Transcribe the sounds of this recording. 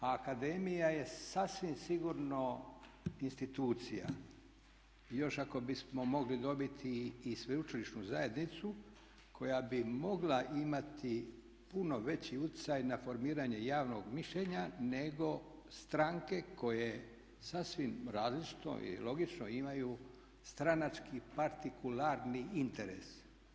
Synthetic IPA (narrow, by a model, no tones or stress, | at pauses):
kad̪e̞mijaje̞sasʋimsiɡuɾno̞ | inst̪it̪uːt̪sija̰ | jo̞ʃako̞bismo̞mo̞ɡlid̪o̞bit̪ʰiːsʋeut͡ʃiliʃnuzaje̞d̪nit̪su | kʰo̞jabimo̞ɡlaʔimat̪ʰi | puno̞ʋe̞t͡ɕiut̪i̥t̪sajnafo̞ɾmiːɾaɲe̞jaːʋnoɡmiʃʎeɲane̞ɡo̞st̪ɾaŋke̞ko̞je̞ | sasʋimɾaːzlit͡ʃi̥t̪o̰ḭḭlˠo̞ɡit͡ʃnoimaju | st̪ɾanat͡ʃkipaɾt̪ikulaɾniint̪e̞ɾḛs